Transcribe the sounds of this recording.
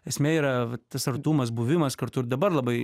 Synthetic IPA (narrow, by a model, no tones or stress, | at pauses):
ɛsʲmʲeːiːɾɐʋɐt̪ɐsɐrt̪uːmɐs̬buːʋʲɪmɐskɐɾt̪ʊɾd̪ɐbɐɾlˠɐbɐɪ